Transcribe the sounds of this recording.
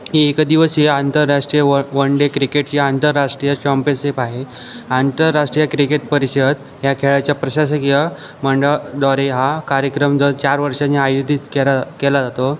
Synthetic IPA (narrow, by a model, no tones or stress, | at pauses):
ɦiekd̪iʋəsɦeant̪əɾːaʂʈɾijəʋəɳɖekɾikeʈ̚t͡ɕiant̪əɾːaʂʈɾijət͡ɕɔmpesepaɦe | ant̪əɾːaʂʈɾijəkɾikeʈ̚pəɾiɕəd̪ | ɦjakʰeɭat͡ɕjapɾəɕaɕəkjə | məɳɖəɭd̪ɔɾeɦakaɾjəkɾəmd͡zət͡ɕaɾʋəɾʂaneajud̪ʱit̪keakɛlad͡zat̪o